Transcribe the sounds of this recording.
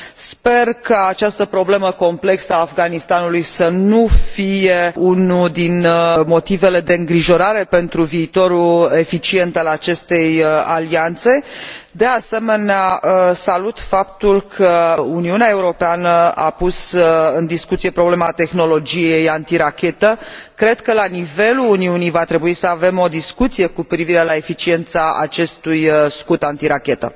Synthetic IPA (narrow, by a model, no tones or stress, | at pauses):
spe̞rkaːt͡ʃast̪əpɾo̞ble̞məko̞mple̞ksəaːfɡanist̪anulujsənufije̞unud̪inmo̞t̪ive̞le̞d̪e̞ɨŋɡɾiʒo̞ɾaɾe̞pe̞nt̪ɾuviːt̪o̞ɾue̞fit͡ʃie̞nt̪alat͡ʃe̞st̪e̞jaliant̪se̞d̪ease̞me̞neasalut̪fap̚t̪ulkʰəuniuneae̞uɾo̞peanəa̰pusɨnd̪iskut̪sije̞pɾo̞ble̞mat̪e̞xno̞lo̞d͡ʒije̞jant̪iɾakʲe̞t̪əkɾe̞d̪kəlanive̞luːniunijvat̪ɾe̞buisəave̞mo̞d̪iskut̪sije̞kupɾiviɾe̞lae̞fit͡ʃie̞nt̪saa̰t͡ʃe̞st̪ujskut̪ant̪iɾakʲe̞t̪ə̰